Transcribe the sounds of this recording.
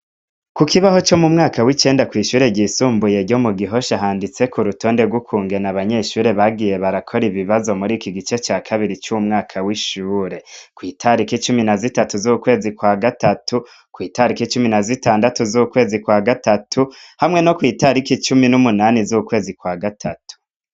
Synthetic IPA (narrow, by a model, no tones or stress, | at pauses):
kukiβaho̞t͡ʃo̞mumŋaːkawit͡ʃe̞ːndakwiːʃuːɾe̞ɟisuːmbuje̞ɟo̞muɡiɦo̞ʃaɦaːndit͡se̞kuɾuto̞ːnde̞ɡwukʰuːŋɡe̞naβaɲe̞ʃuːɾe̞βaɡije̞βaɾakʰo̞ɾiβiβazo̞muɾikiɡit͡ʃe̞t͡ʃaːkʰaβiɾit͡ʃuumŋaːkʰawiʃuːɾe̞kwiːtʰaɾikit͡ʃuminazitatuzuːkwe̞ːzikwaɡatatu | kwiːtaɾikit͡ʃuminazitaːndatuzukwe̞ːzikwaɡatatʰuhamŋe̞no̞kwiːtaɾikit͡ʃuminumunaːnizukwe̞ːzikwaɡatʰatu̥